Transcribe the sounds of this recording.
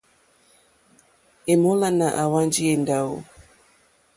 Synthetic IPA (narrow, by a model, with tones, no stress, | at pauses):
e˨mo˦la˦na˨ʔa˨wa˦nd͡ʒi˦e˨nda˨o̰˦˨